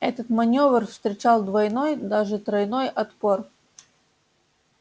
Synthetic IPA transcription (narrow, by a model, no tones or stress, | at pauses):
ɛt̪ət̪mɐnʲovrfst̪ɾʲɪt͡ɕalˠd̪vɐjnojd̪aʐɨt̪ɾɐjnojʔɐt̪por